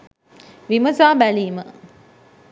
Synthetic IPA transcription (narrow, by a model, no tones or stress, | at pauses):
ʋiməzaːbæliːmə